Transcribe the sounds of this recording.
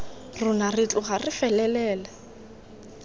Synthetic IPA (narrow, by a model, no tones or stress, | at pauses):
rʊnarɪtʼʊɣarɪfɛlɛlɛːla